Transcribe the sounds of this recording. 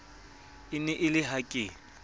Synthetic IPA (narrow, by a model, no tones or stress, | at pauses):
ɪnɛʔɪlɪɦakʼɪ